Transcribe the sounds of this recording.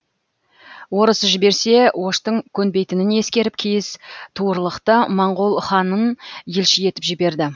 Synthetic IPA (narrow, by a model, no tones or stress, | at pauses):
wo̞ɾəsəʒɪbe̞ɾse̞wo̞ʃt̪əŋkʲʰɵnbe̞jt̪ɪnɪne̞skʲe̞ɾɪp̚kʲʰejɪst̪ʰuəɾlˠəqt̪əmɑɴʁolˠχɑnənjelʃɪje̞t̪ɪ̥pʒɪbe̞ɾd̪ɪ